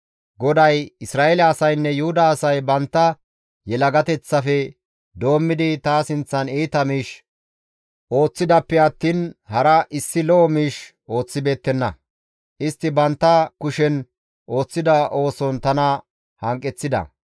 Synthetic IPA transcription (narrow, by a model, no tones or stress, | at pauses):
ɡɔd̪ɐjɪsɾaːelɐɐsɐjnːɛjʊhʊd̪ɐːsɐjbɐnt̪ːɐ | jɛlɐɡɐt̪ɛt͡sːɐfɛ | d̪o̞ːmːɪd̪ɪt̪aːsɪnt͡sːɐniːt̪ɐmiːʃ | ʔo̞ːt͡sːɪd̪ɐpːɛɐt̪ːiːnhɐɾɐʔɪsːɪlɔʔɔmiːʃ | ʔo̞ːt͡sːɪbe̞ːt̪ːɛnːɐ̰ | ʔɪst̪ːɪbɐnt̪ːɐkʊʃɛn | ʔo̞ːt͡sːɪd̪ɐʔo̞ːsɔnt̪ɐnɐ | hɐŋkʼːɛt͡sːɪd̪ɐ̰